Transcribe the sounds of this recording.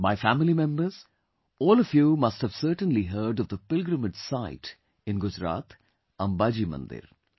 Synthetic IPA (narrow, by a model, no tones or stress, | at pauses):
maɪfæmɪlimɛ̃mbəɾz̥ | ɔːlɔfjuːmʌsʈhæʋsəɾʈə̃nliɦəɾɖɔʋd̪əpɪlɡɾəməd͡ʒsaɪʈ | ɪ̃nɡʊd͡ʒɾa̰ːt̪ | ɐ̃mbaːd͡ʒimɐ̰̃nd̪ɪ̰ɾ